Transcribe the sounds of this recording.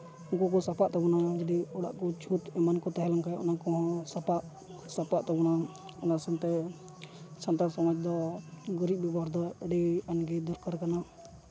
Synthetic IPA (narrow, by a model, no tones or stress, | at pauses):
ɔŋkɔk̬ɔsapaʔt̪abɔnad͡ʒad̪iɔɽa̰ʔkɔt͡ʃʰut̪ɛmankɔt̪aɦɛlaŋkajɔ̰nakɔɦɔ̃sapaʔ | sapaʔt̪ɔbɔna | ɔnasɛnt̪ɛ | sant̪asɔmad͡ʒd̪ɔɡɔɾiʔ̚bibaɾd̪ɔɛɖianɡɛd̪ɔɾkaɾkana